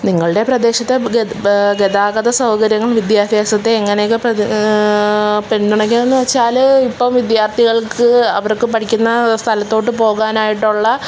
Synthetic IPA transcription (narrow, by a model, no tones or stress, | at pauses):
niŋːɐɭɨɽe̞prɐd̪e̞ːɕɐt̪ːe | ɡed̪aːɡɐd̪ɐsɐwkɐɾjɐŋːɐɭʋid̪jaːd̪ʱjaːsɐt̪ːeːŋːɐnekːɨprɐ | pend̪uɳɖe̞ŋɡilenːɨʋɐt͡ɕːaːlipːɐmʋid̪jaːrt̪ʰiɣɐɭkɨɐ̰ʋɐrkɨpɐʈʰikʲːunːɐst̪ʰɐlɐt̪ːo̞ːʈːɨpo̞ːɣaːnaːjiʈːuɭːɐ